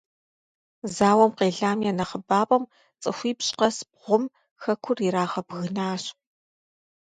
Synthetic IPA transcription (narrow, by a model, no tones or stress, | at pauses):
zaːwɐmqeːɮaːmjɛnɐχəbaːpʼɐm | t͡sʼɨxʷiːpɕʼqɐsb̚ʁʷʊm | xɐkʷʰʊriɾaːʁɐbɣɨnaːɕ